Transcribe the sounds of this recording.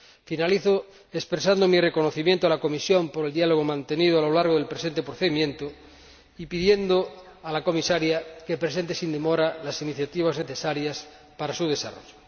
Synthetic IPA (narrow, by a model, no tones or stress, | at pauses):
finaliθo | espɾesand̪omireko̞noθimjent̪oalako̞misjompoɾeld̪ialoɣ̞omãnt̪enið̞oalo̞laɾɣoðelpɾesent̪epɾoθeðimjẽnt̪o | ipiðjend̪o | alako̞misaɾjakepɾes̬ent̪esind̪emoɾalasiniθjat̪iβ̞azneθesaɾjas | paɾasuð̞e̞sa̰ro̰ʝo